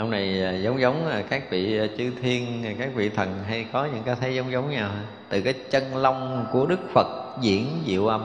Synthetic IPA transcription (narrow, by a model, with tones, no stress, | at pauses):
ʔə˧ŋ͡mna˨˩jːzə˨˦wŋ͡mzə˨˦wŋ͡ma˨˩kaː˦˥k̚vḭ˧˨˩t͡ɕɨ˧t̪ʰi˧ən˨˩kaː˦˥k̚vḭ˧˨t̪ʰə˨˩nɦa˧jkɔ˨˦ɲɨ̰˧˥ŋkaː˨˦jt̪ʰə˨˦jzə˨˦wŋ͡mzə˨˦wŋ͡mɲaː˨˩w | t̪ɨ˨˩kaː˨˦jt͡ɕə˧nla˧wŋ͡mku˧˩əɗɨ˦˥k̚fə˨˩t̚zḭ˧˥ənzḭ˧˨əwʔa˧